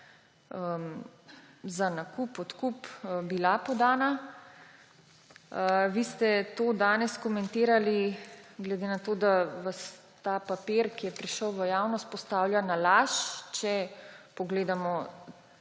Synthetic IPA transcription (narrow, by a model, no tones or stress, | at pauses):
əm | zanakupɔt̪kupbilapɔd̪aːna | ʋiːst̪ɛt̪oːd̪aːnɛskɔmɛnt̪eːɾaliɡlɛd̪eːnat̪oːd̪aʋas | t̪aːpapiɾkijɛpɾiʃəwʋəjaːwnɔst̪pɔst̪aːwlʲjanalaːʃt͡ʃɛpɔɡleːd̪amɔ